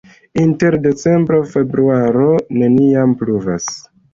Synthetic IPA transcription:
inte̞ɾde̞t͡se̞mbɾo̞fe̞bɾuaɾo̞ne̞niampɾuva̰s

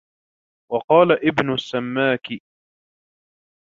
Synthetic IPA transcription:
wɑqɑːlaʔɪbnʊsːamːaːkɪ

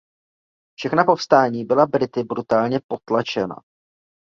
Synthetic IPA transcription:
fʃɛxnapo̞fst̪aːɲiːbɪlabɾɪt̪ɪbɾut̪aːlɲɛpo̞t̪lat͡ʃɛna̰

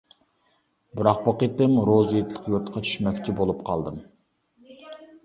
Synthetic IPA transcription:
bɪɾɑq̚bɑqit̪ɨmɾozet̪lˠəqjuɾt̪qʰɑt͡ʃ̪ʰy̥ʃmɛkʲt͡ʃʰibolˠupqʰɑlˠd̪ɨm

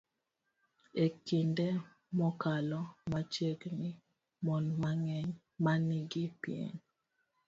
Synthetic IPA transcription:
ekinde | mɔkalɔmat͡ʃeɡnɪ | mɔnmaŋɛɲ | maniɡipjḛɲ

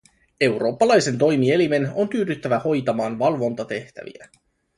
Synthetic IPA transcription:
e̞wɾo̞ːpːɑlɑjse̞nt̪o̞jmie̞lime̞no̞nt̪yːdyt̪ːæʋæho̞jt̪ɑmɑːnʋɑlʋo̞nt̪ɑt̪e̞ht̪æ̰ʋḭæ̰

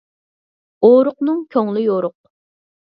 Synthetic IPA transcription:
oɾʊqnɨŋkʲʰøŋlɪjoɾʊq̚

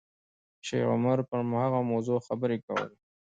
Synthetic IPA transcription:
ʃḛɣʊ̰maɾpəɾmhaɣamawzoxabəɾekawə̰le

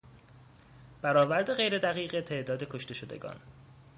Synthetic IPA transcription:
b̥æɾɒːvæɾd̪e̞ɣejɾe̞d̪æɣiːɣet̪ʰe̞ʔd̪ɒːd̪e̞kʰo̞ʃt̪e̞ʃod̪e̞̰ɡɒ̰ːn

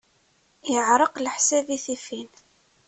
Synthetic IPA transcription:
jəʕɾˤəqləħsæðiθifin

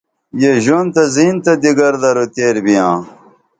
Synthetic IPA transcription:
jeʑont̪ɐziːnt̪ɐd̪iɡɐɾd̪ɐɾot̪eːɾbijãː

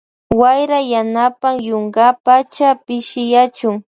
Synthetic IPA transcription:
wajɾajanapaŋjoŋɢapat͡ʃapɪʃɪjat͡ʃʊŋ

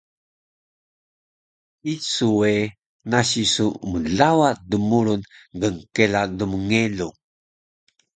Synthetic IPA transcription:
isue | naɕisuməɮawat̚dumuɾunɡəŋkeladuməŋelu

